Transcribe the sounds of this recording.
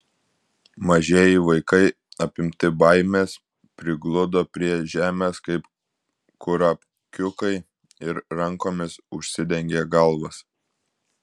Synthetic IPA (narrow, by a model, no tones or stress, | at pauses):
mɐʒʲeːjɪʋɐɪkɐɪ | ɐpʲɪmʲt̪ʲɪbɐɪmʲeːs | pʲɾʲɪɡlˠʊd̪oːpʲɾʲiɛʒʲæːmʲeskɐɪp | kʊɾɐpʲ | kʲʊkɐɪ | ɪɾɾɐŋkoːmʲɪsʊʃʲsʲɪd̪ʲɛŋʲɡʲeːɡɐlˠʋɐs